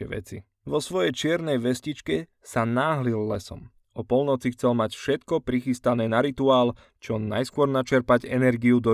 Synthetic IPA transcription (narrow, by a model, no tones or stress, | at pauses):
ɛ̰ʋɛ̰t͡si | ʋɔsʋɔjɛjt͡ʃɪɛɾnɛjʋɛscit͡ʃkɛ | sanaːɦlilːɛsɔ̰m | ɔpɔlnɔt͡sixt͡sɛlmacfʃɛt̪kɔpɾixist̪anɛːnaɾit̪uaːl | t͡ʃɔna̰jskʊɔɾnat͡ʃɛɾpaɟɛnɛɾɡiud̪ɔ